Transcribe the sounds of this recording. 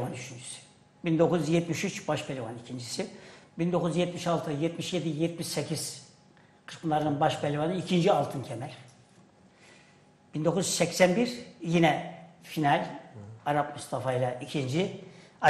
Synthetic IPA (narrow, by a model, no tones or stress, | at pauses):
vanyt͡ʃʰynd͡ʒysy̥ | bind̪o̞kʰuzjɛt̪miʃyt͡ʃbaʃbelʲivanicʰind͡ʒisibind̪o̞kʰuzjɛt̪miʃalˠt̪ʰɯjɛt̪miʃje̞d̪ijɛt̪̚miʃsecʰiz̥ | kʰɯ̥spʰɯnlˠaɾɯnɯnbaʃbɛlʲivanɯicʰind͡ʒialˠt̪ʰɯnc̪ʲʰɛmælʲ | b̥ind̪o̞kʰuzysɛcsænbiɾjinɛfinalʲaɾapmust̪ʰafajlˠaicʰind͡ʒi